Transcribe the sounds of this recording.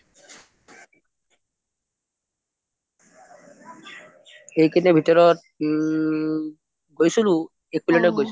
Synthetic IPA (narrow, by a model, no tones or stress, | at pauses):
ejkinɛbʱitɔɹɔt̚ | ɡojsulʊ | ɛk̚pilɔtɔɡojs